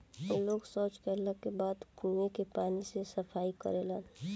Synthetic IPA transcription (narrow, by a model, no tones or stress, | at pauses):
oloːɡsɔːt͡ʃkəɾləkːebaːd̪kʰuːẽkepaːnisesəfʰaːikə̰ɾelaːn